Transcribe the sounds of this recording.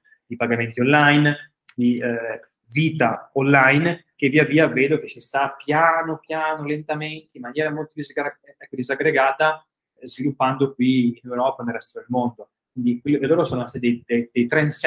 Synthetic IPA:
d̪̥ipaɡament̪ionlajn | d̪i | viːt̪aonlːajnk̟eviːaviːaveːd̪ok̟esːest̪apjaːnopjaːnolent̪ament̪eimːanjɛːɾamolt̪od̪izɡ | ɛkːod̪izaɡɾeɡaːt̪a | zvilupːand̪ok̚wiːnewɾɔːpanelrːɛst̪od̪elmond̪o | kwwind̪ikwelːokelːoːɾosoːnoat̪ːed̪ejd̪ed̪ejt̪ɾɛns

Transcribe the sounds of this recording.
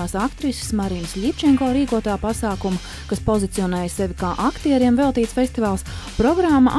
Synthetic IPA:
aːsakt̪ɾissmaɾiːnslʲipʲt͡ʃɛŋkoːɾiːkuɔt̪aːpasaːkumɐ | kaspozit̪sijɔnɛːjsɛvʲikaːʔakt̪iɛɾiɛmvɛlˠt̪iːt̪sfʲest̪ivaːlˠspɾɔɡɾamːa̰ʔ

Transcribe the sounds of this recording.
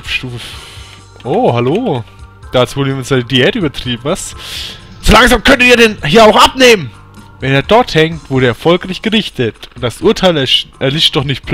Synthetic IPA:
fʃtuːf | ʔoːhaloːd̥aːt͡suvoːdimɪnsanədiɛːtyːbɐtʁ̥iːbm̩ast | z̥olaŋzaːmkʰœntətiːɐɾɛnhiːɐaʊxʔapneːmən | vɛneːɐdɔɐthɛŋtv̥ʊɐɾəːɛɐfɔlkʁ̥aɪçɡ̥əʁɪçtʰətʊnd̥asʔʊɐtʰaɪlʔɛɐlɪʃt̚d̥ɔχnɪçt̚pl

